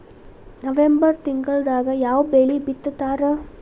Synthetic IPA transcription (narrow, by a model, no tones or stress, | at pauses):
nɐʋembɐɾt̪iŋɡɐɭd̪aːɡɐjaːʋbeːɭibit̪ːt̪ːaːɾe